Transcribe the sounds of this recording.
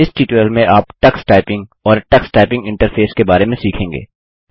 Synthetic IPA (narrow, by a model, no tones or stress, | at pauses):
ɪsʈiːʈəlmẽʔaːpʈɐksʈaːɪpɪ̃ŋɡɔːɾʈɐksʈaːɪpɪ̃ŋɡɪ̃ɳʈəɾfʰeːskebaːɾemẽsiːkʰẽːŋɡḛː